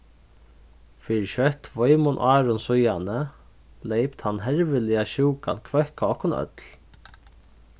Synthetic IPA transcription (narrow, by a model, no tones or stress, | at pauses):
fiːɾɪʃœht̪vɔjmʊnʔaːɾʊnsʊjanə | lejpt̪hanːɦɛɹvɪlɪaɕuːka̰nkʰvɛhkaɔhkʊnœ̰t̪l